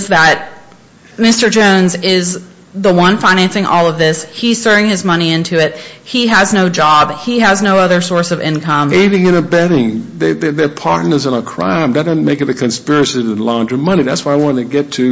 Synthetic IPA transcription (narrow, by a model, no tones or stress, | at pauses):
zðət̚ | mɪstə˞d͡ʒõʊ̃nzɪz | ðəwʌ̃nfãɪ̃ñæ̃nsɪ̃ŋʔɔlˠʌvðɪshiz̥sɜ˞ɪ̃ŋɨzmʌñiɪ̃ntʰʉɪt̚hiɨznoʊd͡ʒɑb̥hiɨznoʊʌðə˞sɔɹsʌvɪ̰̃nkʰʌ̃meɪɾɪ̃ŋɨ̃ɾ̃ɨbɛɾɪ̃ŋðeɪðəðə˞pʰɑɹtⁿnə˞zə̃nəkʰɹ̥ã̰ɪ̃mðɨt̚dʌznmeɪkɨt̪ɨkʰɨ̃nspɪɹɨsivɨ̃lɑ̃ndɨ̃mʌñiðætswaɪawɑ̃ɾɪ̃ŋtʰɨɡɛtʰɨ